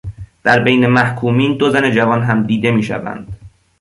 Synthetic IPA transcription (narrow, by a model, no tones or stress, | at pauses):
d̪̥æɾbejne̞mæhkʰuːmiːnd̪ozæne̞d͡ʒævɒːnɦæmd̪iːd̪e̞miːʃæ̰væ̰nd̪̥